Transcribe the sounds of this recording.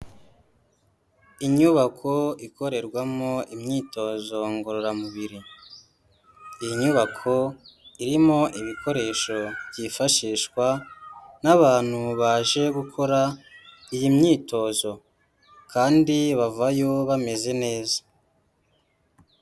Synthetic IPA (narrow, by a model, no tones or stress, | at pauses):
iɲuβakʰo̞iko̞ɾe̞ɾɡwamoʔimɲiːto̞ːzo̞ŋɡoɾoɾamuβiɾi | ijiɲuβakʰo̞iɾimo̞ʔiβikʰo̞ɾe̞ʃo̞βɟifaʃiːʃkwanaβaːn̥huβaːʒe̞ɡukʰo̞ɾa | ijimɲiːto̞ːzo̞ | kaːndiβavajo̞βame̞ze̞ne̞ːzḁ